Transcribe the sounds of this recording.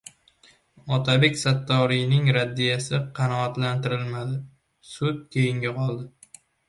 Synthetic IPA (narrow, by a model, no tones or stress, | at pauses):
ɒt̪ʰabekʲsat̪ːɒɾijnɪŋɾad̪ːijasɪqʰɑnɒat̪lant̪ɪɾɪlmad̪ɪ | sʊt̪̚kʲʰejɪŋɡʲaqʰɒlˠd̪ɪ